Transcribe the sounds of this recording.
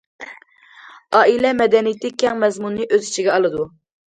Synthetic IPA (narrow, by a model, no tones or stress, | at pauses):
ɑːʔilɛmɛd̪ɛnijit̪ɪkʲʰɛŋmɛzmunːɨʔøzi̥t͡ʃʰiɡʲɛɑlˠɨd̪u